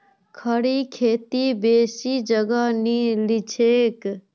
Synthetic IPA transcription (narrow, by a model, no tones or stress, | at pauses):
kʰəɽikʰeːt̪ibeːsid͡ʒəɡanilit͡ʃʰeːk